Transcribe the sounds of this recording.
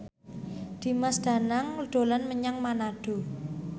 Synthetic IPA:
d̪̥i̤masd̪̥a̤naŋɖ̪̥o̤lanməɲaŋmanaɖ̥o̤

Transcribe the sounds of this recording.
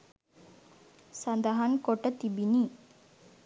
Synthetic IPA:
sɐnd̪ɐɦɐnkoʈət̪ibini

